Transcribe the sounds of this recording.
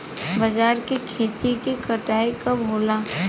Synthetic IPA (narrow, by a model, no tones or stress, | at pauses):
bɐd͡ʒaːɾkikʰeːt̪ikikɐʈaːikamʊla